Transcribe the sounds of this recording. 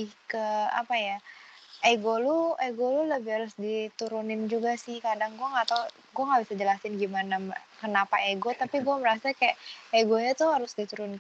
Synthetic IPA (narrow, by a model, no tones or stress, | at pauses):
ɪkəa̰pajaʔeɡolueɡoluləbɪhaɾʊsdit̪uɾunɪnd͡ʒuɡasɪhkadaŋɡuɛŋɡat̪a | ɡuɛŋɡabisad͡ʒəlasɪnɡimanamkənapaeɡot̪apiɡuɛməɾasakajaʔeɡoɲat̪ʊhɦaɾʊsdit̪uɾʊn